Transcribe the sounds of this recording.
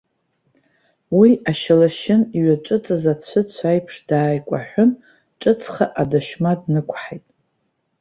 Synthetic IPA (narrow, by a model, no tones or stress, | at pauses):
wiaʃalaʃɪniɥaʈ͡ʂʼɨt͡sʼazat͡ɕʷʰɨt͡ɕʷʰajpʰʂd̥aːjkʷʼa̰ħʷᶣʊn | ʈ͡ʂʼɨt͡sʰʼχaʔadaʃmadnɨkʷʰħajtʼ